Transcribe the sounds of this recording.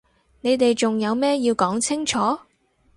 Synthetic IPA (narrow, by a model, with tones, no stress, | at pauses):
ne˨˧jt̪e˨jt͡sʊ˨ŋjɐ˨˧wmɛː˥jiː˧wkɔː˨˥ŋt͡sʰɪ˥ŋt͡ʃʰɔː˨˥